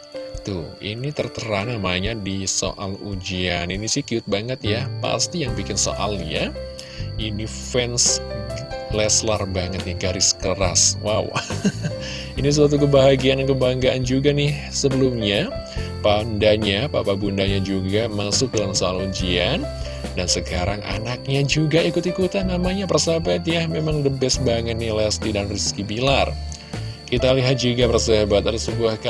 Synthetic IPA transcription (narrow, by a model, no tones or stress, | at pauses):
t̪ʊḭnit̪ərt̪əɾanamaaɲadiso̰ʔalud͡ʒianinisɪhkiʊt̪̚baŋət̪japa̰st̪ijaŋbikɪnso̰ʔa̰lja | inifɛns | lɛslarbaŋət̪̚jaɡaɾɪskəɾaswaw | inisəs̬at̪uk̬əbaɦaɡiandankəbaaŋɡaʔand͡ʒuɡanɪhsəbəlumɲapandaɲapapabundaɲad͡ʒuɡamasʊk̚dalamsalod͡ʒian | dansəkaɾaŋʔa̰nak̚ɲad͡ʒuɡaikʊt̪ikʊt̪ahnamaɲapərsabat̪jamemaŋdəbɛsbaŋət̪̚nihlɛst̪idanriskibilar | kit̪aliɦat̪̚d͡ʒuɡapərsaabat̪̚adasəbuahka